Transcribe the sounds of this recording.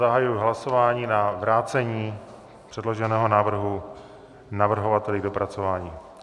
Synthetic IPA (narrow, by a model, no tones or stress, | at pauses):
aɦajujɦlaso̞vaːɲiːnavɾaːt͡sɛɲiː | pr̝̥ɛdlo̞ʒɛnɛːɦo̞naːvr̩ɦu | navr̩ɦo̞vat̪ɛlɪdo̞pɾat͡sovaːɲiː